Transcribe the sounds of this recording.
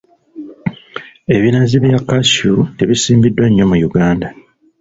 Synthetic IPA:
e̞βinaziβjakːasuteβisiːmbidːwaɲːo̞mujuɡaːnda

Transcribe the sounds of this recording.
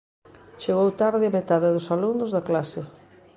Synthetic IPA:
t͡ʃeɣowt̪aɾðɪamet̪aðɪðʊsalundʊzðɐklasɪ

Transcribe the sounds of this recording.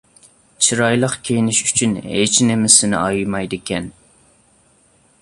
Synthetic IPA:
t͡ʃʰiɾɑjlˠəqkʲʰejnɪʃyt͡ʃʰynḛt͡ʃʰnɪmɪsɪnɪ̰ʔɑjmɑjd̪ɨkʲɛn

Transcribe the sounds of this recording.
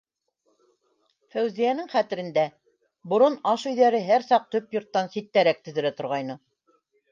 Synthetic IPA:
fæwzijænɘŋχæt̪ɘ̆ɾɘ̆nd̪æ | bŏɾonɑʃɵ̆jðæɾɘɦæɾsɑq̚t̪ɵpjŏɾt̪ːɑnsit̪ːæɾæk̚t̪ɵ̆ðɘ̆ɾæt̪ŏɾʁɑjnɤ

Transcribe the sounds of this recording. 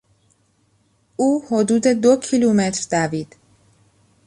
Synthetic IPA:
ʔuːho̞d̪uːd̪e̞d̪ocʰilumet̪ɾd̪̥æviːd̪̥

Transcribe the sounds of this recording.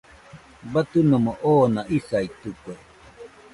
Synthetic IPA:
bat̪ɨnomoʔoːnaʔisait̪uke

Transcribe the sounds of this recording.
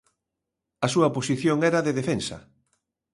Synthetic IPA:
ɐsuɐoposiθjoŋɛɾaðeðefensɐ̰

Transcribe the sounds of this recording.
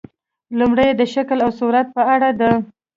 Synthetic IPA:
lumɽəjed̪əʃaklawsuɾat̪̚pəaɽad̪ə

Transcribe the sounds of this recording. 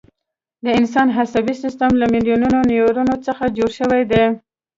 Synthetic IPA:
d̪əɪns̬ɑnɦasabisɪst̪əmlamɪlijununonijoɾunot͡səxad͡ʒoɾʃəwajd̪e

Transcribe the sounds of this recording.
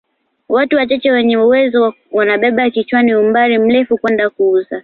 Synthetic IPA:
watuwat͡ʃat͡ʃɛwɛɲɛuwɛzɔ | wanaɓɛɓakit͡ʃwaniumbaɾim̩lɛfukwɛndakuuza

